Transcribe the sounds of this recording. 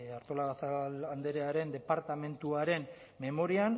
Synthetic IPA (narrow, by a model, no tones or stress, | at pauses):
aɾt̪o̞laɣasaand̪e̞ɾeaɾe̞nd̪e̞paɾt̪ame̞nt̪uaɾe̞n | me̞mo̞ɾian